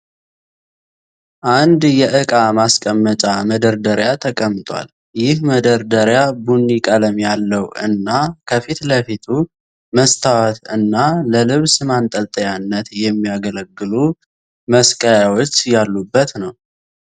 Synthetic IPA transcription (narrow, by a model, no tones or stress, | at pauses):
ʔand̪jɛʔɨkʼamaskʼəmːət͡ʃʼaməd̪əɾd̪əɾjat̪ʰəkʼəmːt̪ʼwʷa̰l | jɪhməd̪əɾd̪əɾjabunːikʼələmjalːəwʔɨ̰nːakʰəfit̪ləfit̪ʰu | məst̪ʰawat̪ɨnːaləlɨβsɨmant̪ʼəlt̪ʼəjanːət̪jɛmːiaɡələɡːɨlu | məskʼəjawot͡ʃːjalːubːət̪nəw